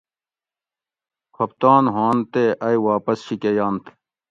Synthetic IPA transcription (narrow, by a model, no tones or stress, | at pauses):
kʰɐp̚t̪aːnɦaːnt̪eʔɐjwaːpɐsɕikejaːnt̪ʰ